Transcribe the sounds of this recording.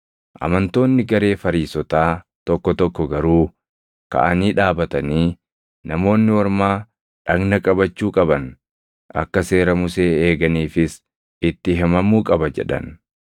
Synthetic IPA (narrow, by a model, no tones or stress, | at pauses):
ʔɐ̰mɐnt̪o̞ːnːɪɡɐɾe̞ːfɐɾiːsɔt̪aː | t̪ɔkːɔt̪ɔkːɔɡɐɾuː | kɐ̰ʔɐniːᶑaːbɐt̪ɐniː | nɐmo̞ːnːɪwɐɾmaː | ᶑɐɡnɐkʼɐbɐt͡ʃːuːkʼɐbɐn | ʔɐ̰kːɐse̞ːɾɐmʊse̞ːeːɡɐniːfɪs | ɪt̪ːɪɦɛmɐmuːkʼɐbɐd͡ʒɛ̰ᶑɐ̰n